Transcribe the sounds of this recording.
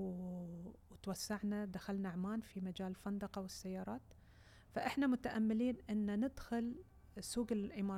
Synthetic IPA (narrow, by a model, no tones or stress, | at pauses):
t̪wasːaʕnad̪axalnaʕmaːnfimad͡ʒaːlfand̪ɑqɑwɪsːajːɑːɾˤɑːt̪ | faʔɪħnamʊt̪aʔamːɪliːnʔɪnːanɪd̪xʊl | suːɡɪlʔɪmɑː